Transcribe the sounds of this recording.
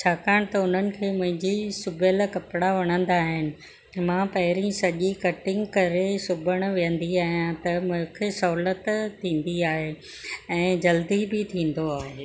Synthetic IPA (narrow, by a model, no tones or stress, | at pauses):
t͡ɕʰaːkaːɽ̃t̪ɐʊn̤ənɪ̆kʰeːmʊ̃ɦɪ̃ɲd͡ʑisʊbʱəlkɐpɽaʋɐɽ̃ə̃nd̪aːɦɪnɪ̆ | mãpɐɦɪɾĩsɐʄikɐʈɪ̃ŋɡkɐɾesʊbʱəɽ̃̆ʋijə̃n̆d̪iaːɦijãt̪ɐmʊ̃ɦkʰesɐɦlət̪t̪ʰːĩːn̆d̪iaːɦe | ɛ̃ːd͡ʑɐld̪ibɪt̪ʰĩːn̆d̪oaːɦeː